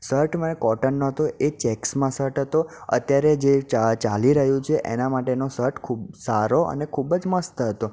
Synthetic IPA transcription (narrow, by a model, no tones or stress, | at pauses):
səɾʈmənekɔʈənːoɦət̪oet͡ʃɛksmãsəɾʈɦət̪oə̰t̪jaɾed͡ʒet͡ʃat͡ʃaliɾəɦjũt͡ʃʰeʔḛnamaʈenosəɾʈkʰubsaɾoʔə̰nekʰubəd͡ʒməst̪əɦət̪o